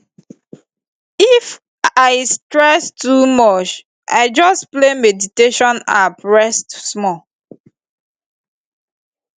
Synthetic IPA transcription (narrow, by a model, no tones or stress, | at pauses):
if | aɪstɹɛstʰumɔt͡ʃ | ʔa̰ɪd͡ʒɔsplemediteʃɔ̃na̰pɹɛstsmɔ